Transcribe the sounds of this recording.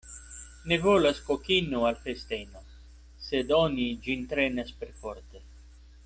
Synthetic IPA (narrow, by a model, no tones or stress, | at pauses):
nevolaskokinualfest̪eno | sed̪onid͡ʒint̪ɾenaspeɾfoɾt̪e